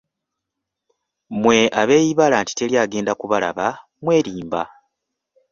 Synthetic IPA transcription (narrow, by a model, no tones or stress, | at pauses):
mwe̞ʔaβeːjiβalaːnti̥te̞ljaːɡe̞ːndakuβala̰βa | mwe̞ːɾiːmba